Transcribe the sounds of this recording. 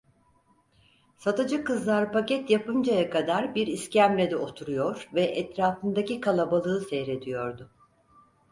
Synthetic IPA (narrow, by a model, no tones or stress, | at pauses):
sat̪ɯd͡ʒɯkɯzlˠaɾpacɛt̪japɯnd͡ʒajakʰad̪aɾbiɾiscæmlʲed̪ɛo̞t̪ʰuɾujo̞ɾvɛʔɛt̪ɾaːfɯnd̪acikʰalˠabalˠɯːsejɾe̞d̪ijo̞ɾd̪ʊ